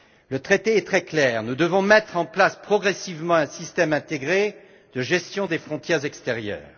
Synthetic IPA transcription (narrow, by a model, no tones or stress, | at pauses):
lət̪χet̪eɛt̪χɛklɛːʁnud̪əvɔ̃mɛt̪χɑ̃plaspχɔɡʁɛsivmɑ̃ɛ̃sist̪ɛmɛ̃t̪eɡʁe | d̪̥əʒɛst̪jɔ̃d̪efχɔ̃t̪jɛʁzɛkst̪eʁjœ̰ːʁ